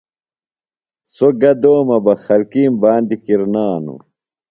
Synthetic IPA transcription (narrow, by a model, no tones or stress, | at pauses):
soɡɐd̪oːmɐbɐxɐlkiːmbaːnd̪ikiɾnaːnṵ